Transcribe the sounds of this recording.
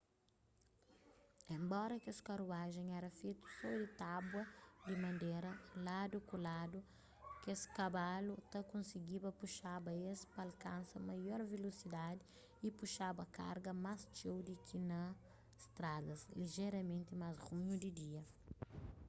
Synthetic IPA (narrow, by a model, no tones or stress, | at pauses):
ẽmbɔɾɐkeskɐɾuaʒẽŋɛɾɐfet̪u̥sɔd̪ɪt̪abwɐd̪ɪmɐ̃nd̪eɾɐlad̪ʊkulad̪ʊ | kesɪ̥kɐbalut̪ɐkõnsiɡibɐpuʃabɐespɐalkãnsɐmajɔɾvelosid̪ad̪ɪ | ipuʃabɐka̰ɾɡɐmast͡ʃewd̪ɪkʰinɐ | st̪ɾad̪ɐsliʒeɾɐmẽnt̪ɪmazʁuɲud̪ɪd̪iɐ